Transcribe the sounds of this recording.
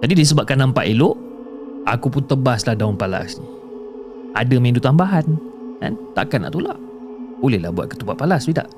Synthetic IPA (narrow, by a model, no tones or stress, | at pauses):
d͡ʒadidis̬əbap̚kanːampa̰ʔiloʔ | a̰kupʊnt̪əbaslahdaʊnpala̰sni | a̰dəmĩndut̪ambaɦanda̰nt̪akana̰ʔt̪ula̰ʔ | bolɛhla̰hbua̰t̪̚kə̥t̪upaʔ̚palasbida̰ʔ